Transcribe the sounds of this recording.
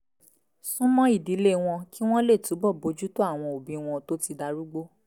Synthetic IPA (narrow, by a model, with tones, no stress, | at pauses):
sũ˦mɔ̃˦i˦˨di˨˦le˦w̃ɔ̃˧ki˦w̃ɔ̃˦le˦˨tu˨˦bɔ˦˨bo˧d͡ʒu˦to˦a˦˨w̃ɔ̃˧o˨bĩ˧˦w̃ɔ̃˧to˦ti˧da˧ɾu˦ɡ͡bo˦